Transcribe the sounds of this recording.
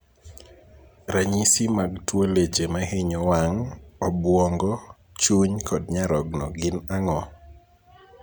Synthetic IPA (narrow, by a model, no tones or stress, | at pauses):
ɾaɲisimaɡtwoled͡ʒemaheɲɔwaŋɔbwɔŋɡɔ | t͡ʃuɲkʰɔd̚ɲaɾɔɡnɔ̰ɡɪnaŋɔ